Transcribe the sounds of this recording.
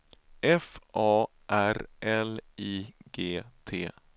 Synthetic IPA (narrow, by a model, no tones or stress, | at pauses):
ɛfʔɑː | ʔæɾʔɛliːɡeːt̪ʰeː